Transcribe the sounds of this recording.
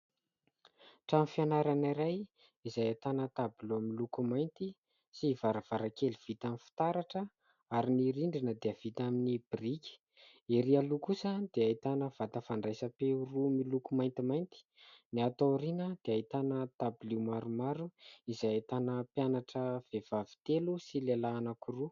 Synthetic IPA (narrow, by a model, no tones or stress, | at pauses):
ʈ͡ʂamifianaɾaniɾaj | izajat̪anət̪abiluamilukumajnt̪i | sivaɾav̥aɾakeliv̥it̪amifi̥t̪aɾaʈ͡ʂə | aɾiniɾiɳɖ͡ʐinəd̪eəv̥it̪aminib̥irikʲi̥ | eɾialukusəd̪eait̪anəv̥at̪əfaɳɖ͡ʐajsəpeurumilukumajnt̪imajnt̪i̥niat̪oɾinəd̪̥eait̪anət̪abilimaɾumaɾuizajat̪anəpjanaʈ͡ʂəv̥ev̥avi̥t̪elusilelaːnakuru